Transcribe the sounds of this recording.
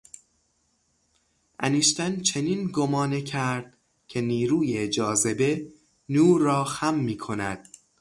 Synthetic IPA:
ʔæniːʃt̪ænt͡ʃʰe̞niːnɡomɒːnecʰæɾd̪̥̚ | cʰe̞niːɾuːjed͡ʒɒːze̞be̞ | nuːɾɒːxæmːiːkʰo̞næ̰d̪̥

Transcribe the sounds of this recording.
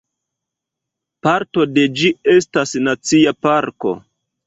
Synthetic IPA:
paɾto̞de̞d͡ʒie̞stasnat͡siapaɾko̞̰

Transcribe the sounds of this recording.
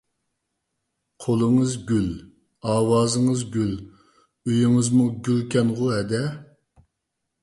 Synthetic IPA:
qʰolˠɨŋɨzɡʲyl | ɑːwɑːzɨŋəzɡʲyl | øjiŋɨzmuɡʲylkʲʰɛnʁʊɦɛd̪ɛ

